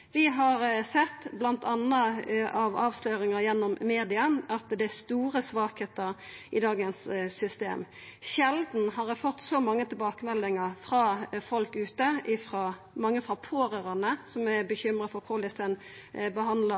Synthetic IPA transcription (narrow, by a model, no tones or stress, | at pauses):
ʋɪɦɑɾsɛt̪ːblɑnt̪ɑnːəɑʋɑːʋsløːɾɪŋɑjɛnːɔmːeːd̪ɪɑʔɑt̪d̪ɛæst̪uːɾəsʋɑːkheːt̪əʁʔɪd̪ɑːɡənssʏst̪ḛːm | ʃɛld̪n̩hɑʁfɔt̪ːsɔmɑŋːət̪ʰɪlbɑːkəmɛlːɪŋɑʁfʁɑːfɔlkʉːt̪əʔɪfʁɑː | mɑŋːəfʁɑpʰoːɾəʁɑnəsɔmæbəçʏmɾəfɔɾkʰolɪsɛn | bəɦɑnd̪lɑ